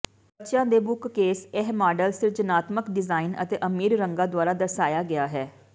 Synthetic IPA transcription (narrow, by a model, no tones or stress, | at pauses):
bəʃãːd̪eːbʊkːeːsɛɦmaːɖəlsɪɾd͡ʒənaːt̪məkɖɪzaːinə̰t̪eːʔəmiːɾɾəŋɡãːd̪waːɾaːd̪əɾsaːjaːɡɪaːɦɛː